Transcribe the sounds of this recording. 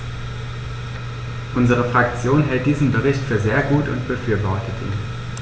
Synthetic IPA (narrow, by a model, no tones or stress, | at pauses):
ʔʊnzəʁ̞əfʁ̥ak̚t͡sjoːnɦɛlt̚d̥iːzn̩bəʁɪçtfyːɐzeːɐɡuːtʰʊ̰ntb̥əfyːɐvɔɐtətʰḭː